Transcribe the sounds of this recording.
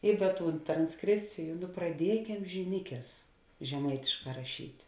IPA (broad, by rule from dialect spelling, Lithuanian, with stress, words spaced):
ɪ ˈdɐ ˈtuːn trɐnsˈkrʲeːpʲt͡sʲɪjʊ nʊ prɐˈdʲiɛkʲɛm ʒʲɪˈnʲɪkʲɛs ʒʲɛˈmɐɪtʲɪʃˌkɑː rɐˈʃʲiːtʲ